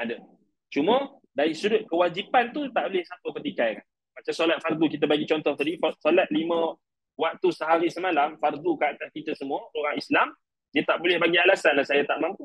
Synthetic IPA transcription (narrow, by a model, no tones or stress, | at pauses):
adə | t͡ʃumə̃ | daɾisuɾʊt̪̚kəwad͡ʒipant̪ut̪aʔbolɪhsat̪upət̪ikajkan | mat͡ʃamsolat̪̚fard̪ukit̪əbaɡit͡ʃɔnt̪ɔht̪adifsolat̪̚limə̃ | wak̚t̪usəɦaɾisəmalamfard̪ukəat̪askit̪əsəmũəoɾaŋislam | diət̪aʔbolɛhbaɡialasanlasajat̪aʔmãmpu